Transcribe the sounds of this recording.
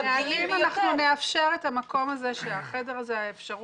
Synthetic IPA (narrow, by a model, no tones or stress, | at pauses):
eaimanaχnune̞afʃe̞ʁe̞tamako̞maze̞ʃeaχede̞ʁazeaefʃaʁu